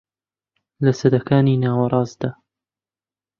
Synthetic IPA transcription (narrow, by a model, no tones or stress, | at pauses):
lɐsɐd̪ɐkaːniːnaːwɐɾˤɑːzd̪aː